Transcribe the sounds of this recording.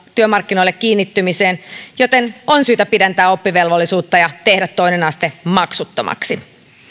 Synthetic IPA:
t̪yømɑrkːino̞ilːekːiːnːit̪ːymiseːnjo̞t̪enonsyːt̪æpidænt̪æːo̞pːiʋe̞lʋolːisuːt̪ːɑjɑt̪e̞hdæt̪ːo̞inenɑst̪emɑksut̪ːomʔɑ̰ksi

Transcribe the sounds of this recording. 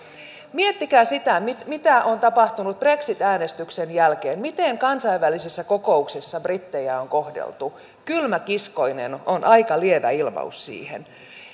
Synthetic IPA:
miet̪ːikæːsit̪æmit̪mit̪æʔont̪ɑpɑht̪unut̪̚b̥re̞ksit̪æːnest̪yksenjælkeːnmit̪eŋkɑnsɑiʋːælːisisːækoko̞uksisːɑbrit̪ːejæoŋkohdḛlt̪u | kylmækisko̞jnḛnonʔɑikɑlieʋæ̰ilmɑ̰usːḭːhḛn

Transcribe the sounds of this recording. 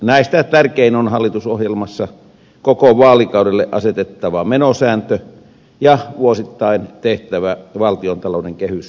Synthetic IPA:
næˑist̪æt̪ærkeinonhɑlːit̪usohjelmɑsːɑ | kokoʋɑːlikɑˑudelːeʔʔɑ̰set̪et̪ːɑʋɑmenosæːnt̪ø | jɑʋuosit̪ːɑint̪eht̪æʋæʋɑlt̪iont̪ɑloˑdeŋkehys

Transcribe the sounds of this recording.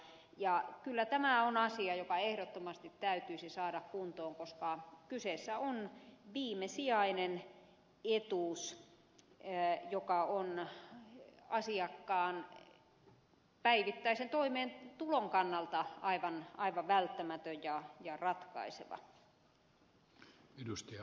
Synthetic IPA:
jɑkylːæt̪æmæonɑsiɑjokɑehɾot̪ːomɑst̪it̪ːæyt̪yisisɑːɾɑkkunt̪oːŋkoskɑkyseˑsːæonʋiːmesiɑinen | et̪uˑs | jokɑon | ɑsiɑkːɑːn | pæiʋit̪ːæisent̪oimeːnt̪uloŋkɑnːɑlt̪ɑʔɑiʋɑnɑiʋɑʋʋælt̪ːæmæt̪øjjɑjɑrɑt̪kɑ̰isḛʋɑ̰ | edust̪ɑɑ

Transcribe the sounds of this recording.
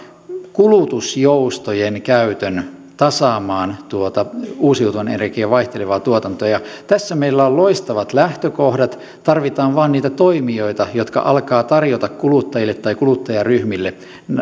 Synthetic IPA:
kulut̪usjoust̪ojenkæyt̪øn | t̪ɑsɑːmɑːnt̪uot̪ɑuːsjut̪uɑnenerkiæʋɑiht̪eleʋɑːt̪uot̪ɑnt̪oɑjɑt̪æsːæmeilːæolloist̪ɑʋɑt̪læht̪økohdɑt̪ | t̪ɑrʋit̪ɑːnʋɑːnniːt̪æt̪oimioit̪ɑjot̪kɑ̰ʔɑlkɑːt̪ɑrjot̪ɑkkulut̪ːɑjilːet̪ːɑikulut̪ːɑjɑryhmilːe

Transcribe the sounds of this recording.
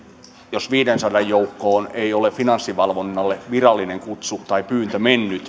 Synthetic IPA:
josʋiːdensɑdɑjjoukːoːneiolefinɑnsːiʋɑlʋonːɑlːeʋirɑlːineŋkut̪sut̪ɑipyːnt̪ømenːyt̪

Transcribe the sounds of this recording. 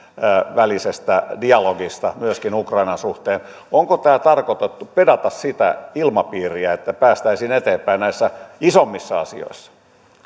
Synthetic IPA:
ʋælisest̪ædiɑloɡist̪ɑmyøskinukrɑinɑnsuht̪eːn | oŋkot̪æːt̪ɑrkot̪et̪ːupedɑt̪ɑssit̪æ̰ilmɑpiːriæet̪ːæpæːst̪æisiːnet̪eːmpæinnæisːæisomːisːɑɑ̰sḭo̰isːɑ̥

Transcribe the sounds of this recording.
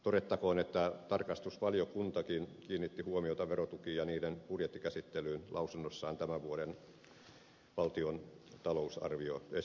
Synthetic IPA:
t̪oɾet̪ːɑkoːnet̪ːæt̪ɑrkɑst̪uspɑljokunt̪ɑkinkiːnːit̪ːihuomiot̪ɑʋerot̪ukiːjɑniːdenpurjet̪ːikæsit̪ːelyːnlʔɑusunːosːɑːnt̪æmæʋuoden | ʋɑlt̪iont̪ɑlousɑ̰rʋioe

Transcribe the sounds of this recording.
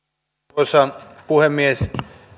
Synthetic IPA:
osɑpuhemːies

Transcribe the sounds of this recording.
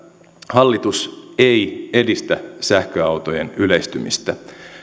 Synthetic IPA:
hɑlːit̪useje̞dist̪æsæhkøɑwt̪ojenyleist̪ymḭst̪æ

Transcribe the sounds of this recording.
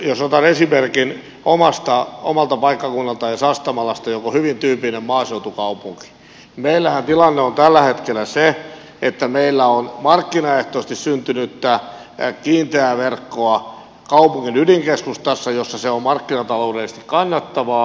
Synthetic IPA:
josot̪ɑnesimerkin | omɑst̪ɑomɑlt̪ɑpɑikːɑkunːɑlt̪ɑjɑsɑst̪ɑmɑlɑst̪ɑjokohyʋint̪yːpinemmɑːseut̪ukɑupuŋki̥ | meilːæhænt̪ilɑnːeont̪ælːæhet̪kelːˑæse | et̪ːæmeilːæonmɑrkːinɑeht̪oːst̪issynt̪ynyt̪ːæ | kiːnt̪eæʋerkːoɑ | kɑupuŋːinyliŋkeskust̪ɑsːɑjosːɑseommɑrkːinɑt̪ɑloudeises̆t̪ikkɑnːɑt̪ːɑʋɑː

